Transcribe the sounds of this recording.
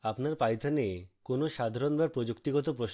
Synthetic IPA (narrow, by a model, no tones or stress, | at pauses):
apnaɾpajt̪ʰanekonoʃad̪ʱaɾonbaɾpɾod͡ʑukt̪iɡɔt̪̬op̬ɾoʃ